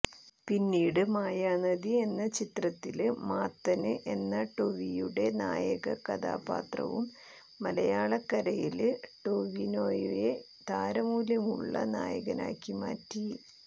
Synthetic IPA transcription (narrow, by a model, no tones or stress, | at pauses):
pinːiːɽɨmaːjaːnɐðie̞nːɐt͡ɕit̪rɐt̪ːilmaːt̪ːɐnɨʔe̞nːɐʈo̞ʋijuɽe̞na̰ːjɐɣɐkɐd̪a̰ːpa̰ːt̪rɐ̰ʋumː | ɐlɐjaːɭɐkːɐɾɐjilɨʈoʋinoːjuje | d̪aːɾɐmuːljɐmṵɭːɐ̰na̰ːjɐ̰ɣɐna̰ːkːima̰ːtːi